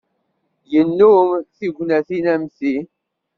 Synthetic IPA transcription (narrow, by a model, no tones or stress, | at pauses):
jənːumθiʝʷnæθinæmθi